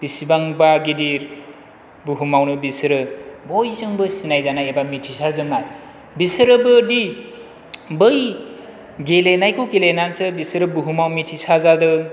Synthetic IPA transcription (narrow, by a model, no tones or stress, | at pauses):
b̥isibaŋbaɡediɾ | buɦumawnɯbisɾɯbojsɯŋbɯsinajzanajebamitʰisaɾzɯmnaj | bisɯɾɯbɯdi | bɯj | ɡelenajkʰoɡelenant͡sɯbisɾɯbuɦumawmitʰisazad̪ɯ